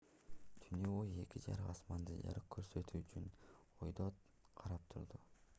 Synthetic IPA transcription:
t̪ʰynøoje̞kʲid͡ʒɑ̰ɾɯɑsmɑnd̪ɯjɑ̰ɾɯqkʰːøɾsø̞t̪ʰyːt͡ʃyn | ojd̪o | qʰɑɾɑp̚t̪ʰuɾd̪u

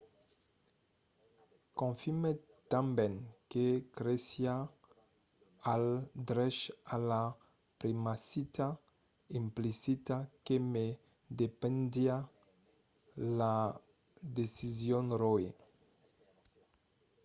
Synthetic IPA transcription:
kõɱfime | t̪ãmbɛnkekɾesja | ald̪ɾɛʃala | pɾimasit̪a | ĩmplisit̪akeme | d̪epẽnd̪ia | la | d̪esizjonroe

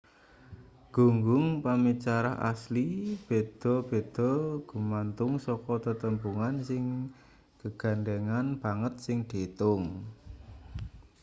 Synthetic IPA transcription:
ɡ̥ṳŋɡʊŋpamit͡ʃaɾa̰ɦʔa̰slib̥e̤d̪̥ɔ̤b̥e̤d̪̥ɔ̤ɡ̥ṳmant̪ʊŋsɔkɔt̪ət̪əmbuŋansɪŋ | ɡ̥əɡ̥ä̤nd̪eŋanb̥aŋət̪̚sɪŋɖ̪̥e̤t̪ʊŋ

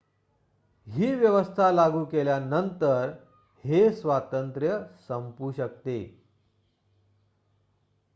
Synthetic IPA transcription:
ɦiːʋjəʋəst̪ʰalaɡuːkeljanənt̪əɾ | hesʋat̪ənt̪ɾjəsəmpuːɕək̚t̪ḛ

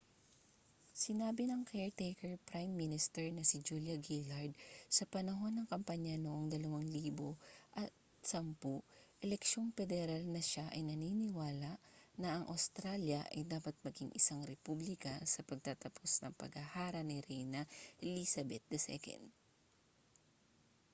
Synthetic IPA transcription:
sɪnaːbɪnɐŋkɛɹt̪ɛjkɛɹpɾajmːinɪst̪ɛɹnɐsɪd͡ʒuljɐɡilɐɹd̪̚sɐpɐnɐɦo̞nːɐŋkɐmpaɲɐnoʔoŋd̪ɐlɐwaŋliːboʔɐt̪̚ | sɐmpuʔɛlɛkʃo̞npɛd̪ɛɾalnɐʃaʔɐjnɐniːnɪwaːlɐʔnɐʔɐŋʔɐ̰wst̪ɾaljɐʔɐ̰jd̪aːpɐt̪̚mɐɡiŋʔɪsaŋɾɛpublɪkɐsɐpɐɡ̚t̪at̪ɐpʰosnɐ̰ŋpɐ̰ɡɐhaːɾɐnɪɾɛjnɐlisɐbɛt̪̚d̪ɐsɛ̰kɛ̰nd̪̚

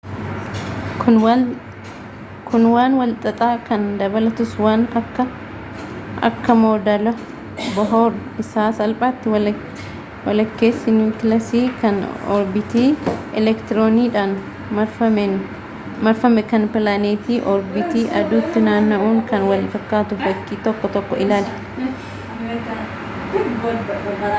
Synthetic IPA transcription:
kʊnwaːnwɐlt̪ʼɐt̪ʼaːkɐnd̪ɐbɐlɐt̪ʊswaːnɐkːɐ | ʔɐ̰kːɐmo̞ːd̪ɐlɐ | bɐɦoːɾ | ɪsaːsɐlpʼaːt̪ːɪw | wɐlɐkːe̞ːsːɪnjuːkɪlɐsiːkɐnɔ̰ɾbɪt̪iːɛ̰lɛkt̪ɪɾoːniːᶑan | mɐɾfɐmɛn | mɐɾfɐmɛkɐnpɪlaːneːt̪iːʔɔɾbɪt̪iːʔɐd̪uːt̪ːɪnaːnːɐʔuːŋkɐnwɐlfɐkːaːt̪ʊbɐkːiːt̪ɔkːɔt̪ɔkːɔɪlaːl

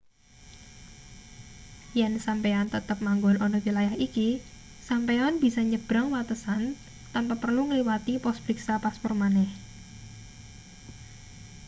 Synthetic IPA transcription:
jɛnsampeɔnt̪ət̪əp̚maŋɡʊnɔnɔwilajahiki | sampeɔnb̥i̤sɔɲəb̥ɾaŋwat̪əsan | t̪ampapərluŋəliwat̪ipɔsbɾiksapaspɔrmanɛh

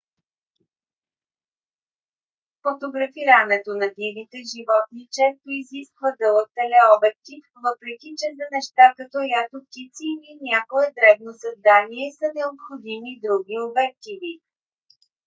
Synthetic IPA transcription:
fot̪oɡɾɐfiɾənɛt̪onɐd̪ivit̪ɛʒivɔt̪nit͡ʃɛst̪oiziskvəd̪ɤlˠək̚t̪ɛlɛɔbɛt̪̚kʲi | vɤpɾɛkʲit͡ʃɛzɐnɛʃt̪akɐt̪ojat̪okʲit̪siːlinʲakoɛd̪ɾɛbnosɐzd̪aniɛsɐnɛopxod̪imid̪ɾuɡʲiobɛɾk̪ivi

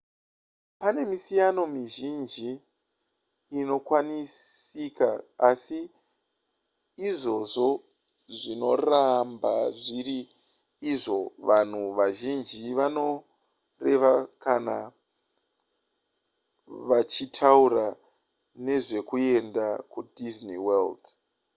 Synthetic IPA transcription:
pane̞misijano̞miʒind͡ʒi | no̞kwanisikaːsi | ʐo̞ʐo̞ | ʐino̞rambaʐiɾiː | ʐo̞ʋan̤uʋaʒind͡ʒiʋano̞ | re̞ʋakana | ʋat͡ʃitʰaura | ne̞ʐe̞kue̞ndakudʱizniweld

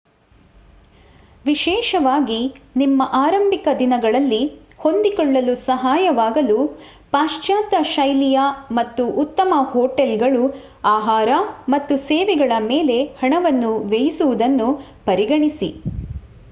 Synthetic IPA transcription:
ʋiʃɛːʃɐʋaːɡinimːɐʔaːɾɐmbʱikɐd̪inɐɡɐɭɐlːi | ho̞nd̪ikɔɭːɐlusɐɦaːjɐʋaːɡɐlu | paːʂt͡ʃaːt̪ɐʃɐjlijɐmɐt̪ːuʔːt̪ːɐmɐhoːʈelɡɐɭu | aːɦaːɾɐmɐt̪ːuseːʋɛɡɐɭɐmeːle̞hɐɳɐʋɐnːuʋejisuʋud̪ɐnːu | pɐɾiɡɐɳisḭ

